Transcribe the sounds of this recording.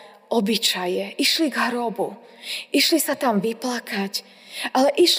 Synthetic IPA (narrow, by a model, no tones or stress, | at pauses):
ʔɔbit͡ʃajɛʔiʃliɡɦɾɔbu | iʃlisat̪amʋiplakac | ʔalɛʔiʃ